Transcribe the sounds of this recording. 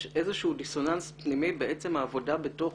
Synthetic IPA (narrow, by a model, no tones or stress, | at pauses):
ʔe̞zeʃeud̪iso̞nanspnimibeʔet͡se̞mhaːvo̞dabe̞to̞